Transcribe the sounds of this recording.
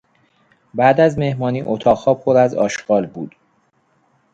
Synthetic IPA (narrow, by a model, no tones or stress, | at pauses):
bæd̪æzme̞hmɒːniːʔot̪ʰɒːɣhɒːpʰoɾæzɒ̰ːʃɡ̥ɒːlbuːd̪̥